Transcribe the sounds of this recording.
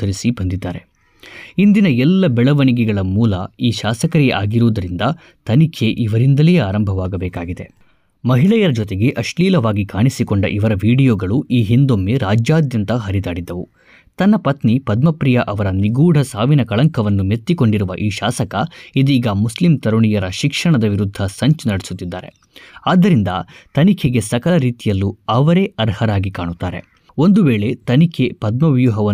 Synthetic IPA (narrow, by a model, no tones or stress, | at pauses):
ɐɾisibɐnd̪id̪ːaːɾe | ind̪inɐɛlːɐbɛɭɐʋɐɳiɡɛɡɐɭɐmuːlɐiːʃaːsɐkɐɾiḛʔaːɡiɾuːd̪ɐɾind̪ɐ | t̪ɐnikʰe̞ʔiʋɐɾind̪ɐlɛjeaːɾɐmbʱɐʋaːɡɐbɛːkaːɡid̪e̞̰ | mɐɦiɭɐjɐɾɐd͡ʒɔt̪e̞ɡe̞ʔɐʂliːlɐʋaːɡikaːɳisikoɳɖɐ̰ʔiʋɐɾɐʋiːɽijoːɡɐɭuiːɦind̪omːeɾaːd͡ʒjaːd̪jɐnt̪ɐɦɐɾid̪aːɽid̪ːɐʋṵ | t̪ɐnːɐpɐt̪nipɐd̪mɐpɾijɐʔɐʋɐɾɐniɡuːɽʱɐsaːʋinɐkɐɭɐŋkʰɐʋɐnːumet̪ːiko̞ɳɖiɾuʋɐ̰ʔiːʃaːsɐkɐid̪iːɡɐmuslimt̪ɐɾuɳijɐɾɐʃikʂɐɳɐd̪ɐʋiɾud̪ʱːɐsɐɲt͡ʃnɐɽesut̪ːid̪ːaːɾe̞̰ | aːd̪ːɐɾind̪ɐ̰t̪ɐnikʰeɡe̞sɐkɐɭɐɾiːt̪ijɐlːuɐʋɐɾe̞ːɐɾhɐɾaːɡikaːɳut̪ːaːɾe̞̰ | o̞nd̪uʋeːɭe̞t̪ɐnikʰe̞pɐd̪mɐʋjuɦɐʋɐ